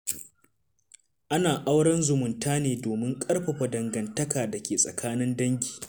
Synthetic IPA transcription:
ʔa˦naː˨ʔa˦wɽɐ˦nzʊ˨mʊ˨ntʰaː˦neː˨doː˨mɪ˦ŋkʼɐ˦rɸɐ˨ɸɐ˨dɐ˨ŋɡɐ˨ntɐ˦kaː˨dɐ˨kʲeː˨sʼɐ̰˨kʰaː˦nɪ˦ndɐ˦ŋɡʲi̥ː˨

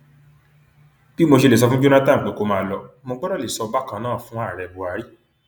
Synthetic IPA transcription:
b̥i˦mo˧ʃe˧le˨s̬ɔ˧fũ˦d͡ʒo˦na˦tã˦˨k͡pe˨˦ko˧mãː˧˨lɔ˧mo˧ɡ͡bɔ˦ɾa˦˨le˨sɔ˧ba˦kã˧nãː˦˨fũ˨˦a˦˨ɾɛ˨bu˨a˨˦ɾi˦

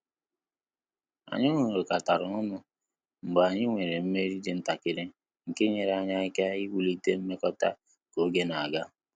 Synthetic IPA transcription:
a̰˨ɲʊ˦ŋo˨ɾo˨ka˨ta˨ɾʊ˨ʊ˦nʊ˦ | ŋ͡m̩˨ɡ͡ba˨ɲɪ˦ŋʷe˨ɾe˨m̩˦me˦ɾi˦d͡ʒɪ˨˦n̩˦ta˨kɪ˦ɾɪ˦ | ŋ̩˨ke˦ɲe˨ɾa˨ɲa˦i˦ka˦i˦wu˦li˦te˦m̩˦me˦kɔ˦ta̰˦ | ko˨˦ɡe˦na˨a˨ɡa˦

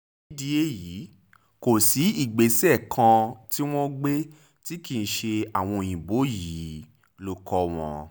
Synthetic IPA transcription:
i˦di˧e˦ji˨˦ | ko˨si˨˦i˦˨ɡ͡be˨˦sɛ˦˨kʰã˧ti˦w̃ɔ̃˦ɡ͡be˦ | ti˦ki˦˨n̩˦ʃe˧a˨w̃ɔ̃˧j̃ĩ˨bo˨˦ji˨˦ | lo˧kʰɔ˧w̃ɔ̰̃˧

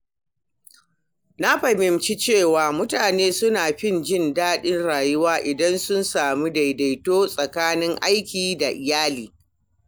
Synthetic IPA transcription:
na˦ɸɐ˨mɪ˨mt͡ʃi˦t͡ʃeː˦˨waː˨mʊ˦taː˨neː˦sʊ˦naː˨ɸɪ˦˨nd͡ʒɪ˦˨ndaː˦ɗɪ˦nɽaː˨jʊ˦waː˦ʔɪ˨dɐ˦nsʊ˦nsaː˨mu˦da˨jda˨jtoː˦sʼɐ˨kaː˦nɪ˦ŋʔa˦jkʲiː˨da˨ʔɪ˨jaː˦liː˨

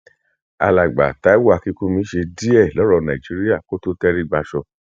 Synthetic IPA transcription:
a̰˧la˨ɡ͡ba̰˨ta˨˦i˦wa˦˧˨ki˦kũ˦mĩ˨˦ʃe˧di˦ɛ˦˨lɔ˨˦ɾɔ˧nã˨i˨d͡ʒi˨˦ɾi˦a˦˨ko˦to˦tɛ˦ɾi˦ɡ͡ba˧ʃɔ˧

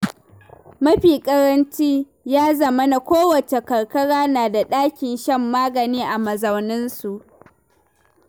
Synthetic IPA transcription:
mɐ˦ɸiː˨kʼɐ˦ɾɐ˦nt͡ʃiː˦ | jaː˦zɐ˨mɐ˦na˨kʷoː˦wɐ˨t͡ʃe˨kɐ˨ɽkɐ˦ɽaː˦naː˨da˨ɗaː˦kʲɪ˨nʃɐ˦˨mːaː˦ɡɐ˨niː˦ʔa˨mɐ˨zɐ˨wnɪ˦nsu˨ʔ

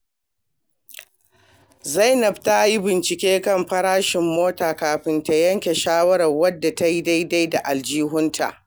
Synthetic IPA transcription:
za˦˨jnɐ˨bta˦ji˦bɪ˨nt͡ʃɪ˨kʲeː˦kɐ˦˨mɸɐ˦ɽaː˦ʃɪ˨mːoː˦taː˨kaː˨ɸɪ˦nta˦jɐ˦ŋkʲe˨ʃaː˦wɐ˦ɽɐ˨rwɐ˦dːa˨ta˦ji˦da˦ji˦da˦jda˨ʔa˨ld͡ʒiː˦ɦʊ˦ntʰa̰˨ʔ

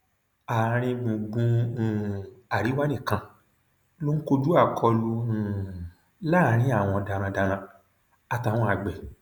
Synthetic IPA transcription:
a˨˦ɾ̃ĩ˧mũ˨ɡũ˧˨ | a˨ɾi˨˦wa˦nĩ˦˨kã˧ | lo˦ŋ̩˦ko˧d͡ʒu˦a˦˨kʰɔ˧lũ˧˨ | la˦˨˦ɾ̃ĩ˦a˦˨w̃ɔ̃˧da˧ɾã˧da˧ɾã˧ | a˧ta˧˨w̃ɔ̃˧˦a˨ɡ͡bɛ˨

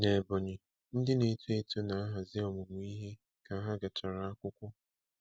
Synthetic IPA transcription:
ne˨bɔ˨ɲɪ˨ | n̩˦dɪ˦ne˨˦tu˦e˦tu˦na˨a˦ɦa˨zɪ˦ɔ˨mʊ˨ŋʷ˦i˦ɦe˦ | ka˨a˦ɦa˦ɡa˨t͡ʃa˨ɾa˨a˦kʷʊ˦kʷʊ˦

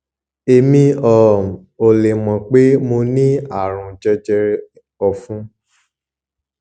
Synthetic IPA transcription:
e˨mĩ˧ɔ˨ | o˨le˨mɔ̃˨k͡pe˦mo˧nĩ˦a˦˨ɾ̃ũ˧˨d͡ʒɛ˦d͡ʒɛ˧˦ | ɔ˧fũ˦

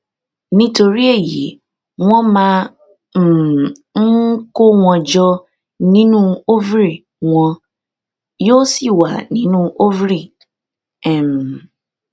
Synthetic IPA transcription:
nĩ˦to˨ɾi˦e˦˨ji˨e˨ | ŋɔ̃˦mã˦˨ | ŋ̩˦ko˦ŋʷɔ̃˨d͡ʒɔ˦ | nĩ˦nũ˦o˦vɾi˨ | ŋʷɔ̃˨ | jo˦si˦wa˨nĩ˦nũ˦o˦vɾi˨ | ɛ˨m˨

